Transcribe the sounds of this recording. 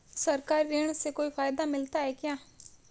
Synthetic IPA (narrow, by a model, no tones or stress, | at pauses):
səɾkaːɾiɾeːɳ̃seːkoːiːpʰaːjd̪aːmɪlt̪aːɦɛːkɪjãː